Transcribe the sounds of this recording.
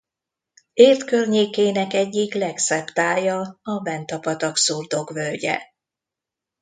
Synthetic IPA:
eːrt̪kørɲeːkeːnɛkɛɟːiklɛksɛbt̪aːjɒɒvɛnt̪ɒpɒt̪ɒksurd̪o̞ɡvølɟɛ̰

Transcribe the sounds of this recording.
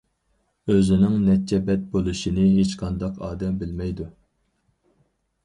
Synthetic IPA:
øzɪnɪŋnɛt͡ʃʰːɛbɛt̪̚bolˠuʃinɪɦet͡ʃqʰɑnd̪ɑqʰɑːd̪ɛmbɪlmɛjd̪u

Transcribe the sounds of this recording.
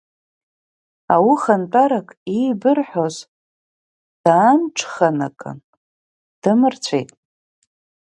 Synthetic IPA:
awiχant͡pʼaɾakʼibɨrħoz | d̥aːmʈ͡ʂʰʼχana̰kʼɨ̰n | d̥ɨmɨrt͡sʷʰejtʼ

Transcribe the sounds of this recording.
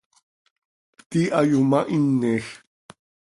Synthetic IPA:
t̪iʔajumaʔinːex

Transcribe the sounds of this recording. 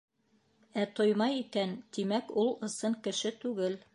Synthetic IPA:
æt̪ojmɑjikænt̪imækulˠɤ̆sɤɴkɘ̆ʃɘt̪ʉɡɘl

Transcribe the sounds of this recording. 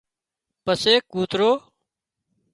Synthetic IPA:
pəseːkuːt̪ɾoː

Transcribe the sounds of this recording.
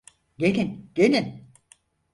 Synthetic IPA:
ɟelʲinɟ̥elʲin

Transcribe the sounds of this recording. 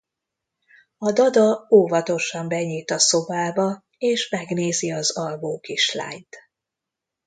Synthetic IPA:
ɒd̪ɒd̪ɒoːvɒt̪o̞ʃɒmbɛɲiːt̪ɒso̞baːbɒ | eːʃmɛɡneːziɒzɒlboːkiʃla̰ːɲt̪

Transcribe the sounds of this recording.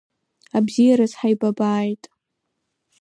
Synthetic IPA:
abzijaɾazħajbabaːjtʼ

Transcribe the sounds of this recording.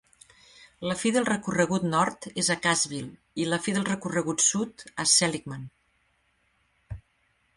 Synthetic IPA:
ləfiðəlˠrəkurəɣ̞ut̪nɔɾt̪ezəkazβilˠ | iləfiðəlˠrəkurəɣut̪sut̪əsɛlikman

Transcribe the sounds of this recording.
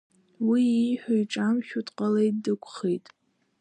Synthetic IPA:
wiħʷᶣajʈ͡ʂʼamʃʲᶣutʼqʼalejtdɨkʷʰʼχejtʼ

